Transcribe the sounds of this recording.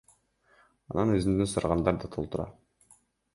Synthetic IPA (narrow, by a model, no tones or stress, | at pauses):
ɑnɑnøzynd̪ynsɑɾʁɑnd̪ɑɾd̪ɑt̪ʰo̞lˠt̪uɾɑ̰